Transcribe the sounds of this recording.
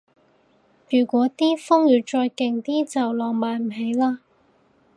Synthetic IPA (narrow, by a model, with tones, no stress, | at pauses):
jyː˨˩kʷɔː˨˥t̪iː˥fʊ˥ŋjyː˨˧t͡ʃɔː˧jkɪ˨ŋt̪iː˥t͡sɐ˨wlɔː˨˩ŋmaː˨˩nm̩˨˩ɦe˨˥jlaː˥